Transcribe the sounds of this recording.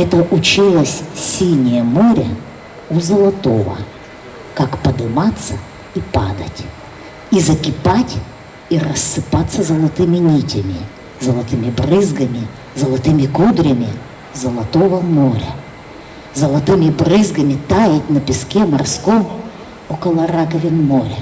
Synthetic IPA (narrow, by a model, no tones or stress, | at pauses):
ɛt̪əʔʊt͡ɕilˠəsʲsʲilnʲɪjəmoɾʲə̰ | ʊzəlˠɐt̪o̞və̰ | kakpəd̪ɨmat̪sːə | ipa̰d̪ətʲ | izəkʲɪpatʲ | irəsːɨpat̪sːəzəlˠɐt̪ɨmʲɪnʲitʲɪmʲɪ | zɐlˠɐt̪ɨmʲɪbrɨzɡɐmʲɪ | zɐlˠɐt̪ɨmʲɪkud̪ɾʲɐmʲɪ | zɐlˠɐt̪ovɐmoɾʲɐ̰ | zɐlˠɐt̪ɨmʲɪbrɨzɡɐmʲɪt̪ajɪtʲnɐpʲɪskʲɛmɐrskom | okəlˠɐrakɐvʲɪnmoɾʲə̰